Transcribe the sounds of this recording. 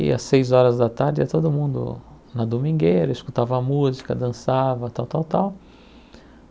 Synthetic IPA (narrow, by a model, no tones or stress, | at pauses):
ɪ̰ɐ̰sejzɔɾɐzd̪ɐt̪aɾd͡ʒɪɛt̪od̪ʊmũnd̪ʊ̰ | nɐd̪omĩɡejɾɐiskut̪avɐːmuzikɐd̪ɐ̃savɐt̪awt̪awt̪aw